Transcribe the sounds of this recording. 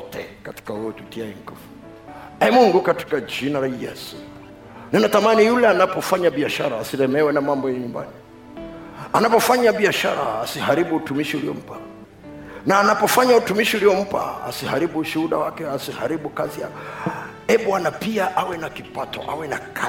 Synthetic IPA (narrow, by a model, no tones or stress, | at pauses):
tɛ̰kati̥kahuɔd͡ʒutiaɛŋ̩kɔfu̥ | ɛmuŋɡukati̥kad͡ʒinalajɛ̰su̥ | nɛnatamanijulɛanapɔfaɲaɓiaʃaɾaːsiɾɛmɛwɛnamambɔjaɲumba̰ni | anapɔfaɲaɓiaʃa̰ɾa̰ːsihaɾiɓuːtumiʃiuliɔ̰m̩pa | naːnapɔfaɲautumiʃiuliɔm̩pa̰a̰sihaɾiɓuːʃuhuɗa̰wakɛasihaɾiɓukazia̰ | ɛɓuwanapiaʔawɛnakipatɔ̰ʔa̰wɛnaka